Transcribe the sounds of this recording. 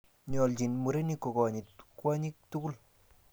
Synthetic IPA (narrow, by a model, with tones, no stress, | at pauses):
ɲɔ˨ld͡ʒi˨nmu˨ɾe˦ni˦ko˨kɔ˨ɲi˨tkwa˦ɲi˦k̚tu˦ɡu˦l